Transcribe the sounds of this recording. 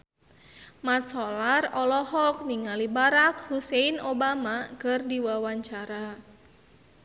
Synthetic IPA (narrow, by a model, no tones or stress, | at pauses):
mat̪̚sɔlarɔlɔhɔk̚niŋalibaɾak̚huseinobamakərdiwawaɲt͡ʃaɾa